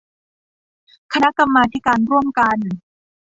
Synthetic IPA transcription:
kʰa˧na˦˥ka˧mːaː˧t̪ʰi˦˥kaː˧nɾu˥˩əmka˧n

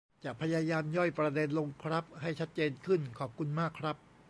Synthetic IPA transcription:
t͡ɕaː˨˩k̚pʰa˧jaː˧jaː˧mjɔ˥˩jpɾa˧de˧nlo˧ŋkʰɾa˦˥p̚ha˥˩jt͡ɕʰa˦˥t̪̚t͡ɕeː˧nkʰɯ˥˩nkʰɔː˨˩p̚kʰu˧nmaː˥˩kʰːɾa˦˥p̚

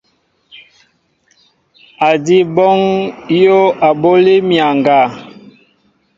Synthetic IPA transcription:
a˨di˦bɔ˦ŋjo˦a˨bo˦li˦mja˨ŋɡa˨

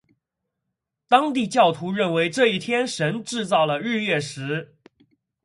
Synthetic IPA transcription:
t̪ɑ˥ŋt̪i˥˧t͡ɕjɑ˥˩ʊt̪ʰu˧˥ɻə˥˩nwe˧˥ɪʈ͡ʂɤ˥˧i˥˩t̪ʰjɛ˥nʂə˧˥nʈ͡ʂɻ̩˥˧t͡sɑ˥˩ʊlə˩ɻ̩˥˧ɥɛ˥˩ʂɻ̩˧˥

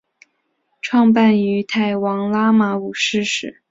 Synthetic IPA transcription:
ʈ͡ʂʰwɑ˥˧ŋpa˥˩ny˧˥t̪ʰa˥˩ɪwɑ˧˥ŋla˥ma˧˥u˨˩ʂɻ̩˥˩ʂɻ̩˨˩˦

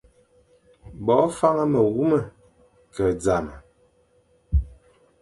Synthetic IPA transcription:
bɔː˨˦fa˦ŋə˦mə˨ɣu˦mə˨ | kə˨d͡za˨mə˨

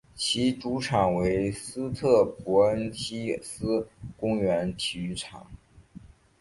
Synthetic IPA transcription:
t͡ɕʰi˧˥ʈ͡ʂu˧˥ʈ͡ʂʰɑ˨˩ŋwe˧˥ɪsɹ̩˥t̪ʰɤ˥˩pɔ˧˥ə˥nt͡ɕʰi˥sɹ̩˥kʊ˥ŋɥɛ˧˥nt̪ʰy˧˥ʈ͡ʂʰɑ̰˨˩˦ŋ

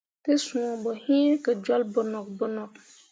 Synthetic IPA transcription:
tɨ˦sũ˨ɔ˨bɔ˨hĩ˦ka˨d͡ʒɔ˦lbʊ˨nɔ˨kbʊ˦nɔ˨k̚

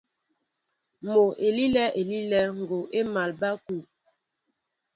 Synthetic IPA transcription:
mo˨ʔe˨li˦lɛ˦ʔe˨li˦lɛ˦ŋ̩˨ɡo˨ʔe˦ma˨lba˦ku˨

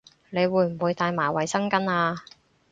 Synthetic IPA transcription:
ne˨˧jwuː˨˧jm̩˨˩wuː˨˧jt̪aː˧jmaː˨˩wɐ˨˩jsɐ˥ŋkɐ˥naː˧

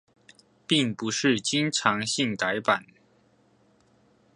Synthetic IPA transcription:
pi˥˩ŋpu˧˥˦ʂɻ̩˥˩t͡ɕi˥ŋʈ͡ʂʰɑ˧˥ŋɕi˥˩ŋt̪a˧˥ɪpa˨˩˦n

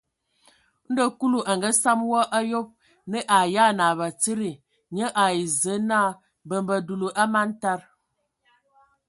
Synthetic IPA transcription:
n̩˦də˦ku˦lu˨ʔa˨ŋɡə˦sa˦mwɔ˦ʔa˦jo˦p̚ | nə˦ʔa˨ja˦na˨βa˨t͡si˦ɾi˨ | ɲə˦ʔa˨i˨zə˨˦naː˦ | bə˨mbə˨du˨lu˨ʔa˦ma˦n˦ta˦˨ɾ

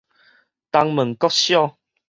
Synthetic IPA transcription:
t̪a˧ŋmə̃˨˩ŋkɔ˦k̚ɕjɔ˥˧

